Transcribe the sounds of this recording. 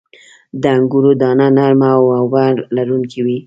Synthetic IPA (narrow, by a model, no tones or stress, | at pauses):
d̪əaŋɡuɾod̪ɑnanaɾmawawaɾlaɾuŋkʰiwi